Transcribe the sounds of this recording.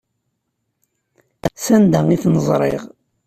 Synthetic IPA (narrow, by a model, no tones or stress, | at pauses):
æsænd̪æŋiθnəzˤɾˤḛʁ